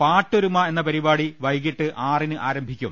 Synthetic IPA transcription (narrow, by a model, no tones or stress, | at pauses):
paːtːoɾumɐe̞nːɐpɐɾibaːɽiʋɐjɣiʈːɨʔaːrinɨʔaːɾɐmbʱikʲːum